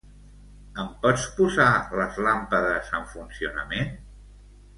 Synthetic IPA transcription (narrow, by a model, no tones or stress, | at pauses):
əmpɔt͡spuzaləzlampəðəzəɱfunsiunə̰men